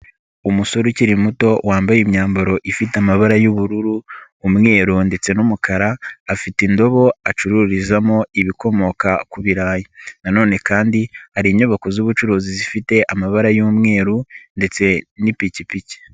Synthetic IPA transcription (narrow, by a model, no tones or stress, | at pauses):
umuso̞ɾociɾimuto̞waːmbajimɲaːmbaɾo̞ʔifiteamaβaɾajuβuɾuɾuː | mŋe̞ːɾunde̞t͡se̞numukaɾaːfitindo̞βo̞at͡ʃuɾuɾizamo̞iβiko̞mo̞kakuβiɾaːjenano̞ːne̞kaːndihaɾiːɲɲuβako̞zuβut͡ʃuɾoːzizifite̞ʔamaβaɾajuːmŋe̞ːɾunde̞t͡se̞nipicipici̥